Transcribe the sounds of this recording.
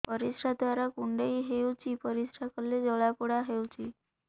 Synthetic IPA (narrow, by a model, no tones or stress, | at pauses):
pəɾisʈʰad̪ʋaɾakuɳɖeiɦewt͡ɕipəɾisʈʰakɔlːed͡zɔɭapuɽaɦewt͡ɕi